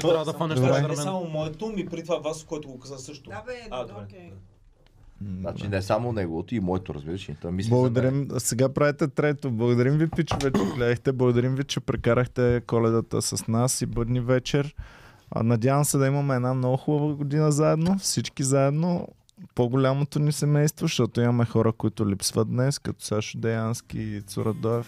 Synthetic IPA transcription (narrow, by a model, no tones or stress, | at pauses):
ad̪ɾɛɛsamomɔɛt̪omipɾit̪ovavaskoɛt̪ʊɡokazəsɤʃt̪od̪ɛ | at͡ʃinɛsamonɛɡovot̪oimɔɛt̪o̰ɾɐ̰zbiɾəʃɛɛt̪ɛmisblˠɐɡod̪ɐɾimsɛɡapɾavɛt̪ɛt̪ɾɛt̪oblˠɐɡod̪ɐɾimvipit͡ʃvɛt͡ʃɛɡlʲɛd̪ɛxt̪ɛblˠɐɡod̪ɐɾimvit͡ʃɛpɾɛkaɾəxt̪ɛkɔlɛd̪ət̪ə̰sɐsnasibɤd̪nivɛt͡ʃɛɾ̰ | nɐd̪ʲavəmsɛd̪ɐimɐmɛɛːd̪namnɔɡʊxubəvəɡod̪inəzaɛd̪nofsit͡ʃkizaɛd̪no | poɡolʲamot̪onisɛmɛjst̪voʃt̪ɔt̪oimɐmɛxɔɾəkoit̪ʊlipsvət̪̚d̪nɛskɐt̪ɔ̥saʃod̪ɛjanskḭt̪so̰ɾɐd̪ɔɛf